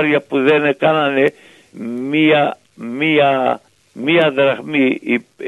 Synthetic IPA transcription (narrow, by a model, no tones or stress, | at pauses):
ɾjapuðenekanane | mia | mia | miad̪ɾaχmiː